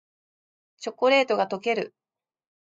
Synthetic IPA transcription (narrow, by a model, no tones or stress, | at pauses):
t͡ɕo̞kːo̞ɾe̞ːt̪o̞ɡat̪o̞ke̞ɾɯ̟